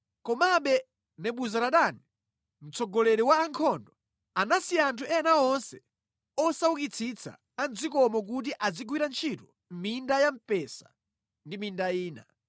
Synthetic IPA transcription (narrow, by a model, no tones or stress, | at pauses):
kɔmaɓɛ | nɛɓuzaɾaɗani | m̩t͡sɔɡɔlɛɾɛwaːŋkʰɔndɔ | anasiantʰuɛnaɔnsɛ | ɔsaukit͡sʰit͡sʰa̰ | and͡zikɔmɔk̬ut̬iʔad͡ziɡwiɾant͡ʃʰitu | mmindajam̩pɛsa̰ | ndimindaiːna